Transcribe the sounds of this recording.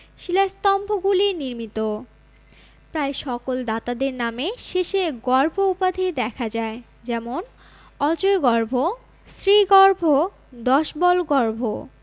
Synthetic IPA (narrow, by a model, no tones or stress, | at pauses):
ʃilast̪ɔmbʱoɡuliniɾmit̪o | pɾaeʃɔkold̪at̪ad̪eɾnameʃeʃeɡɔɾbʱoupad̪ʱed̪ɛkʰad͡ʑae | d͡ʑɛmon | ɔt͡ɕoeɡɔɾbʱo | sɾiɡɔɾbʱo | d̪ɔʃbɔlɡɔɾbʱo̰